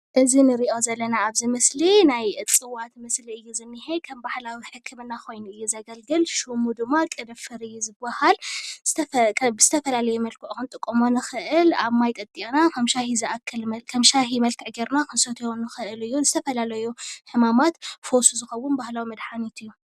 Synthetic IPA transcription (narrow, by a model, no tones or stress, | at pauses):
ʔɨzinɨɾiʔo̞zɐlːɐnaaβzimɨslinajɨt͡sʼɨwat̪mɨsliɨjːuzɨmːɨhejkʰɐmbahlawiħɨkʰːɨmɨnːakʰo̞jnuɨjːuzɐɡɐlɡɨlʃumud̪ɨmːakʼɨd̪ɐfɨɾɨjːuzɨbahalzt̪ʰɐkʰbɨzɨt̪ʰɐfɐlalɐjumɐlkʰɨʔkɨnt̪ʼɨkʼːɨmonɨxɨʔɨlaβmajt̪ʼɐt̪ʼiʔnakʰɐmʃahizɨʔakʰːɐlmɐkʰɐmʃaɦimɐlkʰɨʕɡeɾnakʰɨnsɐt̪ʰjonɨxɨʔɨlɨjːunɨzɨt̪ʰɐfɐlalɐjuħɨmamat̪fo̞suzɨxɐwunbahlawimɐd̪ħanit̪ʰɨjːu